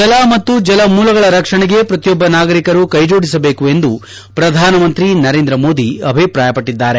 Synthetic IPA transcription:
d͡ʒɐlaːmɐt̪ːud͡ʒɐlɐmuːlɐɡɐɭɐɾɐkʂɐɳɛɡe̞pɾɐt̪ijɔbːɐnaːɡɐɾikɐɾukɐjd͡ʒo̞ːɽisɐbe̞ːkue̞nd̪u | pɾɐd̪ʱaːnɐmɐnt̪ɾinɐɾeːnd̪ɾɐmo̞ːd̪iɐbʱipɾaːjɐpɐʈːid̪ːaːɾe

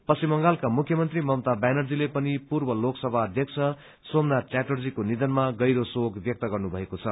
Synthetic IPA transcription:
pʌsimːʌŋɡalkamukʰjʌmʌnt̪rimʌmt̪abanʌrd͡zilepʌnipurbʌloksʌbʱaːd̪ʱjʌkt͡sʰʌ | somnaʈaʈord͡zikonid̪ʌnmaɡʌjɾosoɡbjʌk̚t̪ʌɡʌrnubʱʌekot͡sʰʌ

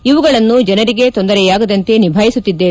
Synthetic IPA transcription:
iʋuɡɐɭɐnːud͡ʒɛnɐɾiɡe̞t̪o̞nd̪ɐɾɛjaːɡɐd̪ɐnt̪e̞nibʱaːjisut̪ːid̪ːe

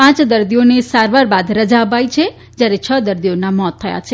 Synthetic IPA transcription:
pãt͡ʃd̪əɾd̪ionesaɾʋaɾbad̪ɾəd͡ʒaəpajit͡ʃʰe | d͡ʒjaɾet͡ʃʰəd̪əɾd̪ijonamɔt̪ʰːəja̰t͡ʃʰe

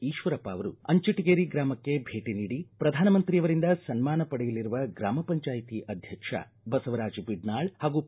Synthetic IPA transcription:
iːʃʋɐɾɐpaːʋɐɾṵɐɲt͡ʃiʈːiɡeːɾiɡɾaːmɐkːe̞bʱe̞ːʈiniːɽipɾɐd̪ʱaːnɐmɐnt̪ɾijɐʋɐɾind̪ɐsɐnmaːnɐpɐɽɛjɐliɾuʋɐɡɾaːmɐpɐɲt͡ʃaːjit̪iʔɐd̪ʱjɐkʂɐ̰ | bɐsɐʋɐɾaːd͡ʒibiɖnaːɭhaːɡu

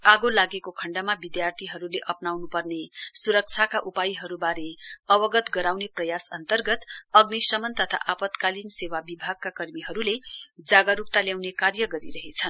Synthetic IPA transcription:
aɡolaɡekokʰʌɳɖamabid̪jart̪ʰiɦʌɾuleʔʌpnawnupʌrnesuɾʌk̚t͡sʰakaʔupajiɦʌɾubaɾeʌwʌɡʌt̪ɡʌɾawneprʌjasʌnt̪ʌrɡʌt̪ʌɡnisʌmʌnt̪ʌt̪ʰa̰ʔapʌt̪kalinsewabibʱaɡ̚kakʌrmiɦʌɾuled͡zaɡʌɾup̚t̪aljawnekarjʌɡʌɾiɾʌɦet͡sʰʌn

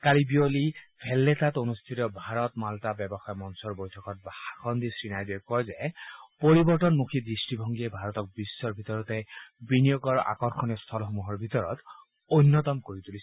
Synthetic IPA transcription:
kalibiolipʰɛlːet̪atonust̪ʰitɔbʱaɹɔt̪maltabɛbɔxajɔmɔnsɔɹbojtʰɔkɔt̚baakʰɔnd̪isɹinajbiɔkɔjzɛpoɹibɔɹtɔnmukʰid̪ɹistibʱɔŋɡiebʱaɹɔt̪ɔk̚bisːɔɹbʱit̪ɔɹɔt̪ɛbinijɔɡɔɹa̰kɔɹxʰɔniɔst̪ʰɔlxɔmuɦɔɹbʱit̪ɔɹɔ̰t̪ | ojnːɔt̪ɔmkoɹit̪ulisɛ

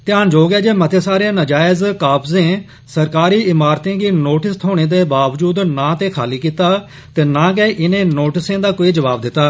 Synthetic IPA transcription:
t̪ɪjaːnd͡ʒoːɡɛːd͡ʒeːmət̪ʰeːsaːɾaːnəd͡ʒaːɪzkaːpzẽː | səɾkaːɾiːɪmaːɾt̪ẽːɡiːnoːʈɪst̪ʰoːɽ̃eːd̪eːbaːʋd͡ʒuːd̪nãːt̪eːkʰaːliːkiːt̪aː | t̪eːnãːk̬ɛːʔɪnẽːnoːʈɪsẽːd̪aːkoːiːd͡ʒəʋaːbd̪ɪt̪ːaː

